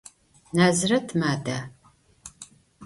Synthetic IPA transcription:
naːzɨrɐtʰmaːdaː

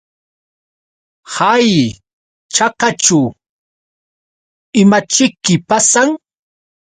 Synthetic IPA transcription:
haj | t͡ʃɑqat͡ʃʊ | ɪmat͡ʃɪkːɪpasaŋ

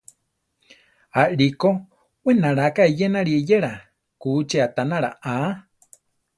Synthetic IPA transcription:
aʔɺiko | wenaɺakaejenaɺiejeɾa | kut͡ʃeat̪anaɾa̰ʔã

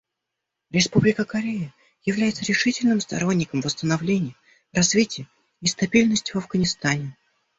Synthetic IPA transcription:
ɾʲɪspublʲɪkəkɐɾʲejə | jɪvlʲæjɪt̪səɾʲɪʂɨtʲɪlʲnɨmst̪ɐ̰ɾo̞nʲːɪkəmvəst̪ənɐvlʲenʲɪjə | rɐzvʲitʲɪjə | ist̪ɐbʲilʲnəsʲtʲvɐvɡənʲɪst̪anʲɪ

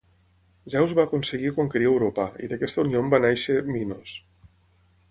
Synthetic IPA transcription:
ʒawzβaːkonsəɣikoŋkəɾiewɾopaḭðəkɛst̪əuniombanɛʃeminos

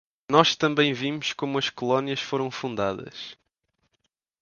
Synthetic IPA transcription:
nɔʃt̪ɐ̃mbɐ̃j̃vimʊʃkomuɐʃkulˠɔniɐʃfoɾɐ̃w̃fũnd̪aðɐ̰ʃ

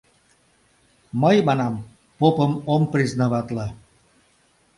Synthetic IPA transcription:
məjmanam | popəmompɾiznaβat̪la

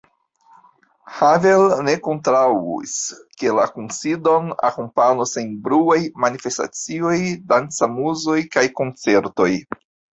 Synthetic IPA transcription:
havelne̞ko̞ntɾawḭske̞lakunsido̞na̰kompanosenbɾuajmanife̞sta̰t͡sio̞jdant͡samuzo̞jkajko̞nt͡se̞ɾto̞j

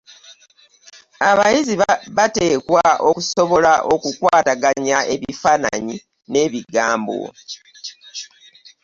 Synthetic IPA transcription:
aβajiziββate̞ːkwaʔo̞kuso̞βo̞laʔo̞kukwaːtaɡaɲae̞βifana̰ɲi | ne̞βiɡaːmbo̞̰

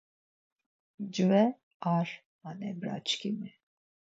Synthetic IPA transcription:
d͡ʒvɛ | aɾ | anɛbɾa̰t͡ʃkʰimɛ

